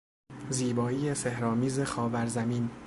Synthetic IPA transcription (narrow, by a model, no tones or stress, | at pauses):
ziːbɒːiːjesehɾɒːmiːzexɒːvæɾzæmiːn